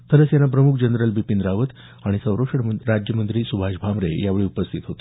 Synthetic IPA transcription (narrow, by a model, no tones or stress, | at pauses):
t̪ʰələsenapɾəmukʰd͡ʑənɾəlbipind̪ɾaʋət̪ | aɽ̃isə̃wɾoʂəɽɾad͡ʑjəmənt̪ɾiːsubʱaʃbʱamɾḛjaʋeɭiupəst̪ʰit̪ɦot̪e